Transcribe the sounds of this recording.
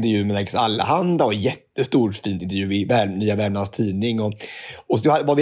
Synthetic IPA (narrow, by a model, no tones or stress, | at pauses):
nt̪əɾjʉ̟ːmənaɛkt̪ːɪ̥sa̰lːa̰ɦand̪aɔjɛt̪ːəst̪uːʈfiːnt̪ɪnt̪ɛɾjʉ̟ːɪvɛnyːavɛɳːaɾst̪ʰiːnɪŋːɔɔd̪ɛavaɖɛ